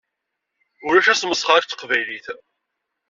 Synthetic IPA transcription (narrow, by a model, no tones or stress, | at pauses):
ʊɾæʃæsməsˤχaɾkt͡s̪ːə̥qvæjliθ